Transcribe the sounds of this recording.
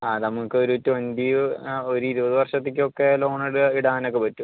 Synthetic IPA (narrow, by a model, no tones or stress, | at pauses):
aːnɐmukːɨo̞ɾutːɨʋɐndio̞ɾuiɾubɐðɨʋɐrʂɐt̪ːek̬ʲːɨo̞kːelo̞ːɳiɽɨiɽaːnok̬ːe̞pɐtːum